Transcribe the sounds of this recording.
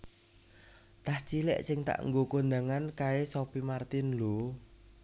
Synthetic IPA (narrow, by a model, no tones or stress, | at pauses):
t̪aht͡ʃilɛ̰ʔsɪŋt̪a̰ʔŋɡokond̪aŋankaesopimart̪ɪnlo